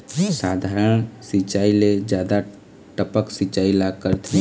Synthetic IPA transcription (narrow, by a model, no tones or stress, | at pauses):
saːd̪ʱaːɾənsit͡ʃaːiled͡ʒjaːd̪a | ʈəpəksit͡ʃaːilaɡkəɾt̪ʰi